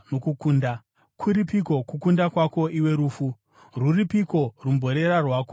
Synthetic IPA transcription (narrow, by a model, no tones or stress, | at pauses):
nokukuːnda | kʰuɾipiko̞kukundakwako̞ʔiwe̞ɾuːfu | ruripiko̞rumbʱo̞ɾe̞ɾarwaːko